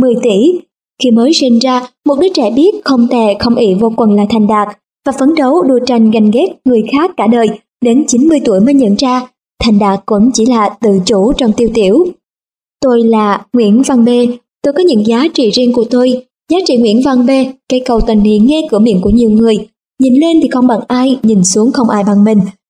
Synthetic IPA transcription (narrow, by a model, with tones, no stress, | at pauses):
mɨ˨˩əjt̪i˧˩ | xi˧məː˨˦jsi˧nzaː˧mo˨˩t̚ɗɨ˦˥k̚t͡ɕɛ̰˧˩ɓi˦˥ət̚xə˧wŋ͡mt̪ɛ˧˩xə˧wŋ͡mʔi˧˩vo˧kwə˨˩nlaː˨˩t̪ʰa˨˩jŋ̟ɗaː˨˩k̚ | vaː˨˩fə˨˦nɗə˨˦wɗu˧ət͡ɕa˧˩jŋ̟ɣa˨˩jŋ̟ɣe˦˥t̚ŋɨ˨˩əjxaː˦˥kːaː˧˩ɗəː˨˩j | ɗe˨˦nt͡ɕi˨˦nmɨ˧əjt̪u˧˩əjmə˨˦jɲə̰˧˨nzaː˧ | t̪ʰa˨˩jŋ̟ɗaː˨˩k̚kːʊ̰˧˥ŋ͡mt͡ɕi˧˩laː˨˩t̪ɨ̰˧˨t͡ɕu˧˩t͡ɕɔ˧wŋ͡mt̪i˧əwt̪i˧˩˨əw | t̪o˧jlaː˨˩ŋwḭ˧˥ənva˧ŋɓe˧ | t̪o˧jkɔ˨˦ɲɨ̰˧˥ŋzaː˨˦t͡ɕḭ˧˨zi˧əŋku˧˩ət̪o˧j | zaː˨˦t͡ɕḭ˧˨ŋwḭ˧˥ənva˧ŋɓe˧kə˧jkə˨˩wt̪wə˨˩nnḭ˧˨nŋɛ˧kɨ˧˩əmḭ˧ənku˧˩əɲi˨˩əwŋɨ˨˩əj | ɲi˨˩nle˧nt̪ʰi˨˩xə˧wŋ͡mɓa˨˩ŋʔaː˧jɲi˨˩nsu˨˦əŋxə˧wŋ͡mʔaː˧jɓa˨˩ŋmï˨˩ŋ̟